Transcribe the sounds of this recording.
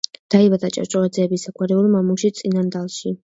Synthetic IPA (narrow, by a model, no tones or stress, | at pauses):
d̪̥aibad̪at͡ʃʼa̰ɾt͡ʃʼɔlad̪zɛːbisakʰwaɾɛulˠmamuʃit̪sʼinand̪alˠʃi